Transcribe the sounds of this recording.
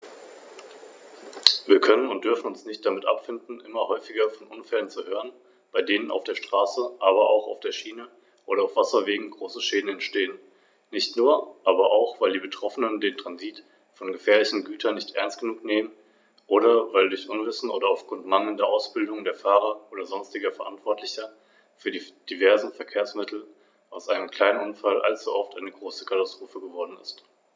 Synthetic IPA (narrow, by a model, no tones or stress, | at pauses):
viːɐkʰœnənʊntd̥ʏɐfn̩ʊnsnɪçt̚d̥amɪtʔa̰pfɪndn̩ʔɪmɐhɔʏfɪɡɐfɔnʔʊnfɛlənt͡suhøːʁən | b̥aɪdeːnənʔa̰ʊfd̥eːɐʃtʁ̥aːsəʔaːβɐaʊxa̰ʊfd̥eːɐʃiːnə | ʔoːɾɐaʊfv̥asɐveːɡŋ̩ɡʁoːsəʃeːdn̩ɛntʃteːən | nɪçtnuːɐʔaːbɐʔaʊxv̥aɪldiːbətʁ̥ɔfənəndeːntʁ̥anziːt | fɔnɡəfɛːɐlɪçn̩ɡyːtʰɐnɪçtʔɛ̰ɐnst̚ɡ̥ənuːkneːmən | ʔoːɾɐvaɪldʊɐçʔʊnvɪsn̩ʔo̰ːdɐaʊfɡ̥ʁʊntmaŋl̩ndɐʔaʊsb̥ɪldʊŋdeːɐfaːʁɐʔoːdɐzɔnstɪɡɐfɛɐʔantv̥ɔɐtʰlɪçɐ | fyːɐdid̥ivɛɐzn̩fɛɐkʰeːɐsmɪtʰl̩ | ʔaʊsʔaɪnəmkʰl̥aɪnənʊnfalʔa̰lt͡suʔɔftʔaɪnəɡʁoːsə̥kʰatastʁ̥oːfəɡəvɔɐdn̩ɪ̰st